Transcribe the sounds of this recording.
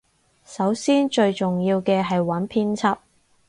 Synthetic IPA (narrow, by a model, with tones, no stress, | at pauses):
sɐ˨˥wsiː˥nt͡ʃɵ˧ɥt͡ʃʊ˨ŋjiː˧wkɛː˧ɦɐ˨jwɐ˨˥npʰiː˥nt͡sʰɐ˥p̚